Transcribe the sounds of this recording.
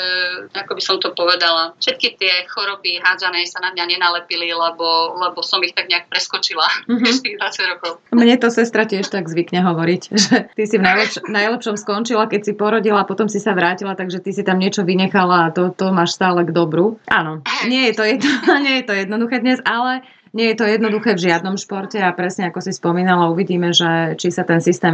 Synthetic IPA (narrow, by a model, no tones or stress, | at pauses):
akɔbisɔmt̪ɔpɔʋɛd̪alafʃɛt̪̚kit̪ɪɛxɔɾɔbiɦaːd͡zanɛːsanamɲaɲɛnalɛpililɛbɔlɛbɔsɔmixt̪aɡɲɛak̚pɾɛskɔt͡ʃilam̩ɦɛʃt̪iɣd̪ʋat͡saɟɾɔkɔʊmɲɛt̪ɔsɛst̪ɾacɪɛʃt̪aɡzʋikɲɛɦɔʋɔɾicʒɛt̪isivnajlɛʃnajlɛpʃɔmskɔnt͡ʃilakɛcsipɔɾɔɟilaːpɔt̪ɔmsisaʋɾaːcilat̪aɡʒɛt̪isit̪amɲɪɛt͡ʃɔʋiɲɛxalaːt̪ɔt̪ɔmaːʃst̪aːlɛɡd̪ɔbɾuʔa̰nɔɲɪɛjɛt̪ɔjɛd̪nɔɲɪɛjɛt̪ɔjɛd̪nɔd̪uxɛːd̪ɲɛzalɛ | ɲɪɛjɛt̪ɔjɛd̪nɔd̪uxɛːvʒɪad̪nɔmʃpɔɾcɛapɾɛsɲɛakɔsispɔmiːnalauʋiɟiːmɛʒɛt͡ʃisat̪ɛnsist̪ɛːm